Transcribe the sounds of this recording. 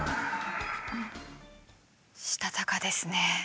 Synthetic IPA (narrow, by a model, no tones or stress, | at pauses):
ɕi̥t̪at̪akad̪e̞sɨne